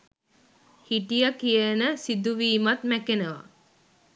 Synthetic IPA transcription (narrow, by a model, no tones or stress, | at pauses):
hiʈijakijənəsid̪uʋiːmat̪mækenəʋa̰